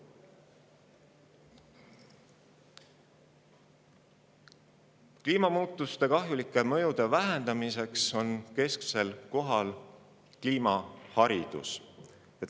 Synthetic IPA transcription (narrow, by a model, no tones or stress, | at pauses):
kliːmɑmuːt̪ːˑust̪e̞kɑɦjulikːˑe̞mɤ̞jud̪̥e̞væɦend̪ɑmise̞kso̞nke̞skse̞lko̞ɦɑl | kliːmɑhɑɾid̪̥ṵs | ɑ